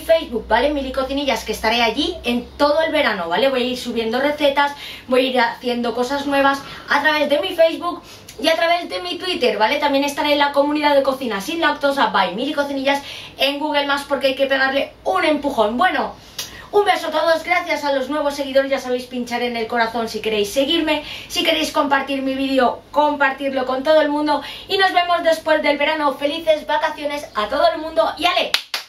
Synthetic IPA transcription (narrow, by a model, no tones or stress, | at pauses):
fe̞jzβuk̚bale̞miɾiko̞θiniʝaske̞st̪aɾe̞aʝie̞nt̪o̞ðoe̞lβe̞ɾano̞βale̞βo̞jaiɾsuβje̞nd̪o̞re̞θe̞t̪asbo̞jaiɾaθje̞nd̪o̞ko̞saznwe̞β̞asat̪ɾaβe̞zðe̞mife̞jzβuk | iat̪ɾaβ̞e̞zðe̞mit̪wit̪eɾβale̞t̪ambje̞ne̞st̪aɾe̞ːnlako̞mũniðaðe̞ko̞θinasinlak̚t̪o̞sabajmiɾiko̞θiniʝase̞ŋɡuɣe̞lmaspo̞ɾkeajke̞pe̞ɣ̞aɾle̞unẽ̞mpuxo̞nbwe̞no̞ | umbe̞sot̪oðo̞zɡɾaθjasalo̞znwe̞β̞o̞sːe̞ɣ̞iðo̞ɾezʝasaβe̞jspint͡ʃaɾe̞ne̞lko̞ɾaθo̞nsike̞ɾe̞jsːe̞ɣ̞iɾme̞sike̞ɾe̞jsko̞mpaɾt̪iɾmiβiðeo̞ko̞mpaɾt̪iɾlo̞ko̞nt̪o̞ð̞oelmũnd̪o̞ino̞zβe̞mo̞zðe̞spwe̞zðe̞lβe̞ɾano̞fe̞liθe̞zβakaθjo̞ne̞sat̪oð̞o̞e̞lmũnd̪o̞ʔiale̞